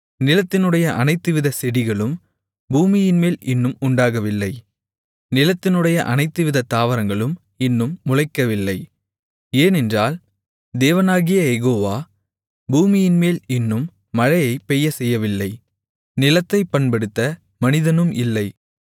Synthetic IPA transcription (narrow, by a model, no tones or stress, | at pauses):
nɪlɐt̪ːɪnɯɽɐjɐʔɐnɐɪt̪ːɯʋɪðɐsɛɽɪɣɐɭɯm | buːmɪjɪnmeːlɪnːɯmʊɳɖaːɣɐʋɪlːɐɪ | nɪlɐt̪ːɪnɯɽɐjɐʔɐnɐɪt̪ːɯʋɪðɐt̪aːʋɐɾɐŋɡɐɭɯm | ɪnːɯmːʊɻɐɪkːɐʋɪlːɐɪ | eːnɛndraːl | d̪eːʋɐnaːɣɪjɐjɛɣoːʋaː | buːmɪjɪnmeːlɪnːɯmː | ɐɻɐjɐɪpːɛjːɐsɛjːɐʋɪlːɐɪ | nɪlɐt̪ːɐɪpːɐɳpɐɽɯt̪ːɐ | mɐnɪðɐnɯmɪlːɐɪ